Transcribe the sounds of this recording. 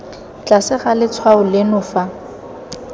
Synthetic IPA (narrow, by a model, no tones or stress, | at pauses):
t͡ɬasɪχalɪt͡sʰwaʊlɪnʊːfa